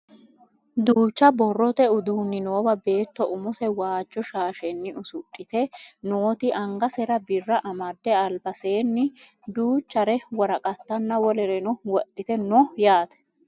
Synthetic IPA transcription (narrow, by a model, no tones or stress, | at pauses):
d̪uːt͡ʃːɐbɔrːɔt̪ɛʊd̪uːnːɪno̞ːbɐbe̞ːt̪ːɔʔʊmʊsɛwaːt͡ʃːɔʃaːʃɛnːɪʔʊsʊkʼːɪt̪ɛnoːt̪ɪʔɐŋɡɐsɛɾɐbɪrːɐʔɐmɐd̪ːɛɐlbɐse̞ːnːɪ | d̪uːt͡ʃːɐɾɛwɔɾɐkʼɐt̪ːɐnːɐwɔlɛɾɛnɔwɔʔɪt̪ɛnːɔjaːt̪ɛ̥